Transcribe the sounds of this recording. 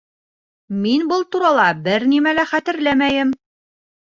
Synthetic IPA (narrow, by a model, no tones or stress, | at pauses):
minbɤlˠt̪uɾɑlˠɑbɘɾnimælæχæt̪ɘ̆ɾlæmæjɘm